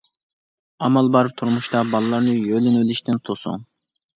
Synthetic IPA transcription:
ɑmɑlˠbɑɾɨp̚t̪ʰuɾmuʃt̪ɑbɑlˠɨlˠɑɾnɨjølɪnøliʃt̪ɪnt̪ʰosṵŋ

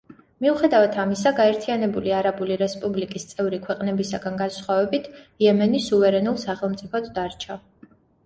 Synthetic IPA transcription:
miuχɛd̪avat̪ʰamisaɡaɛɾt̪ʰianɛbuliaɾabuliɾɛspʼublikʼist̪sʼɛvɾikʰwɛqʼnɛbisaɡanɡansχwavɛbit̪ʰiɛmɛnisuvɛɾɛnulˠsaχɛlˠmt̪sʼipʰɔt̪ʰd̪aɾt͡ʃʰa

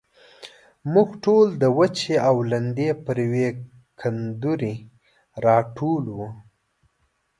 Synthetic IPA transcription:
muɡʈold̪əwət͡ʃeawland̪epəɾjwe | kʰand̪uɾi | ɾɑʈʰolwu

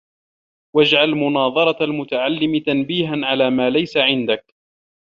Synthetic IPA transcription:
wad͡ʒʕalmʊnɑːðˤɑɾˤɑalmʊt̪aʕalːɪmɪt̪anbiːɦanʕalaːmaːlajsaʕɪnd̪ak̚

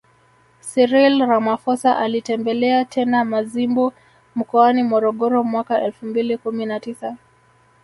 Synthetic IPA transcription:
siɾilɾamafɔsaʔalitɛmbɛlɛatʰɛnamazimbɔ | m̩kɔanimɔɾɔɠɔɾɔmwakaʔɛlfumbilikuminatisa

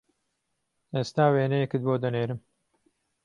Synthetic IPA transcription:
eːst̪aːweːnejɛkɨt̪̚boːd̪ɐneːɾɨm

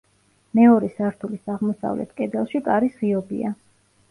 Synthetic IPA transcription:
mɛɔɾɛsaɾt̪ʰulisaʁmɔsa̰vlɛ̰t̪ʰkʼɛd̪ɛlˠʃikʼaɾisʁiɔbḭa

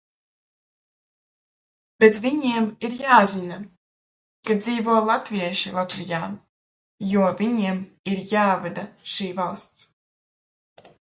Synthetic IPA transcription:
bɛt̪vʲiɲiɛmiɾjaːzʲina | kad̪ziːvuɔlˠat̪vʲiɛʃilˠat̪vʲijaː | juɔvʲiɲiɛm | iɾjaːvad̪aʃiːvalˠst̪s

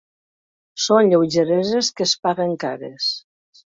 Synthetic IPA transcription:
sonʎewʒeɾezeskəspaɣeŋkaɾḛs

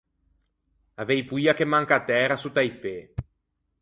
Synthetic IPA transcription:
avejpujakemːaŋkaːt̪ːɛːɾasut̪ːajpe

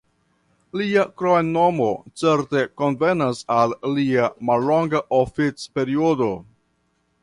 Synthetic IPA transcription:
liakɾojnːo̞mo̞t͡se̞ɾte̞ko̞nve̞nasalːiamalːoŋɡaʔofit͡spe̞ɾiodo̞

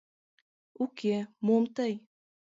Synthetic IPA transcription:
ukemomt̪əj

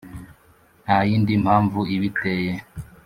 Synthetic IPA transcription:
najiːndimʰaːɱvuiβiteje

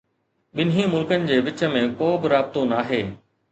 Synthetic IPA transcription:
ɓɪnɦĩmʊlkənɪ̆d͡ʑeːʋɪt͡ɕə̆mẽkoːbɪɾaːbɪt̪onaːɦeː

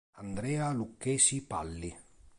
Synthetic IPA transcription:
and̪ɾɛːalukːɛːsipa̰lːi

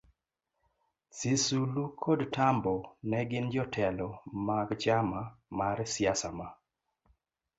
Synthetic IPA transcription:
sisulukʰodtambɔnɛɡɪnd͡ʒɔtʰɛlɔmaɡt͡ʃamamaɾsjasama

